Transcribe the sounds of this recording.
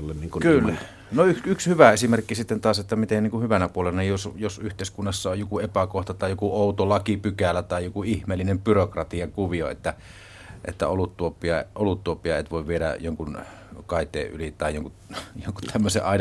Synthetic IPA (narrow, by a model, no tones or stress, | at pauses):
lːenniːŋkukylːæ | noyksykshyʋæesimerkːisit̪ːent̪ɑset̪ːæmit̪enniŋkuhyʋænæpuolelɑnijjosjosyht̪eˑiskunːɑsːɑojjokuepækoht̪ɑt̪ɑˑijjokuoˑut̪olɑkipykælːæt̪ɑˑijjokuihmeːlːˑinempyrokrɑt̪iɑkuʋioḛt̪ːæ | ʔḛt̪ːæ̰olut̪tuopːˑiɑʔolut̪ːuopːˑiɑḛt̪ʋoˑiʋʋieɾæ̰joŋkun | kɑˑit̪ˑḛːʔʔy̰lit̪ɑˑijoŋku | joŋku̥t̪ʰæmːøsḛʔʔɑˑin